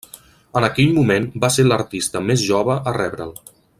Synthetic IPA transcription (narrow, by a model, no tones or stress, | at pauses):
ənəkɛʎmumenbaseɾləɾt̪ist̪əmezʒɔβəʔərɛβɾə̰lˠ